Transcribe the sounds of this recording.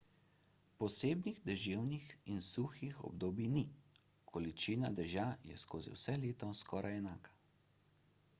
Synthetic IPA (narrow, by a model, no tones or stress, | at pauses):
pɔseːbniɣd̪ɛʒeːwnixinsuxixɔ̰bd̪oːbini | kʰɔlit͡ʃiːnad̪ɛʒajɛ̰skoːzḭwsɛleːt̪ɔskʰɔːɾajɛnaːkḁ